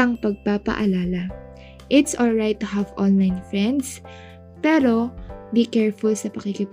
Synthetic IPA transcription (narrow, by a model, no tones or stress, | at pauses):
ɐŋpɐɡ̚papɐ̰ʔɐlaːlɐ | ʔɪt̪sʔɔlɹajt̪ːʊɦavʔɔ̃nlajnfɹɛ̃nd̪s | pɛːɾo̞bikɛɹfʊlsɐpɐkikɪp